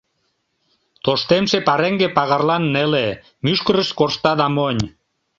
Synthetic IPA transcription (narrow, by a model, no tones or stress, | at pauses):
t̪oʃt̪emʃepɑɾeŋɡepɑɣɑrlɑnːele | myʃkəɾəʃkorʃt̪ɑðɑmonʲ